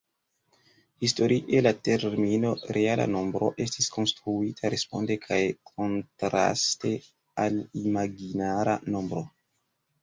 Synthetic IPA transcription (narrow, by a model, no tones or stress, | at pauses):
histo̞ɾʔiʔe̞late̞ɾmino̞ɾʔeala̰no̞mbɾo̞̰ʔe̞stisko̞nstɾuitʰaɾe̞spo̞nde̞kʰajkʰo̞ntɾa̰ste̞ | alimaɡinaɾano̞mbɾo̞